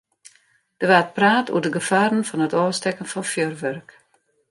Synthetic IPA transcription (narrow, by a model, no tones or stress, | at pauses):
d̥əʋaːt̚praːtṵədəɡəfaːɾən̩fɔnətɔːstɛkən̩fɔnfjørʋœrk